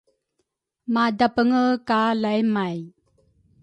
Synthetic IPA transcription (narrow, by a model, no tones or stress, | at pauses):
madapəŋəkalajmaj